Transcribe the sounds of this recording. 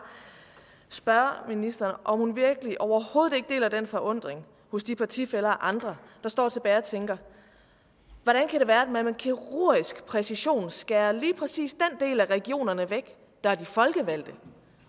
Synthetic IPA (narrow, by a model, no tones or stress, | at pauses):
sb̥ɶɐminisd̥ɐːnʔɒ̽mhunʋiɐɡ̥əliʔɒʊɐho̝ːð̩ˠe̝ɡ̥əd̥e̝̰ːlæd̥enfɒʔɔ̽n̰d̥ʁeŋ | hɔ̽sd̥ipʰɑ̈t͡sʰḭfelɐːʔɑ̈nd̥ʁɐd̥ɑ̈sd̥ɒ̰ːt͡sʰe̝b̥ɛːɪɒ̽t͡sʰeŋɡ̥ɐ | ʋɒɾ̥ænkʰæɾe̝ʋæːɐd̥ememenkʰiʁo̝ɐ̰isɡ̥pʰʁɛsiɕo̝̰ːnsɡ̥æːɐliːpʰʁɛsḭːsd̥end̥e̝̰ːlæʁɛɡ̥io̝̰ːnɐnəʋeɡ̥ | d̥ɑ̈æd̥ifɒ̽lɡ̥əʋæl̰d̥ə